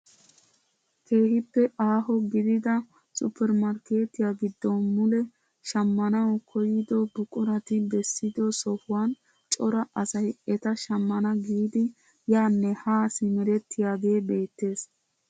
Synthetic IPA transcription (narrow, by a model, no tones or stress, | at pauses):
kʰe̞ːhɪpːɛʔaːɦɔɡɪd̪ɪd̪ɐ | sʼʊpʰːɛɾmɐɾke̞ːt̪ɪjaɡɪd̪ːɔmʊlɛ | ʃɐmːɐnɐwkʰɔjɪd̪ɔbʊkʼʊɾɐt̪ɪbɛsːɪd̪ɔsɔhʊwan | t͡ʃʼɔɾɐʔɐsɐjɛt̪ɐʃɐmːɐnɐɡiːd̪ɪ | jaːnːɛhaːsɪmɛɾɛt̪ːɪjaːɡ̪e̞ːbe̞ːt̪ːe̞ːs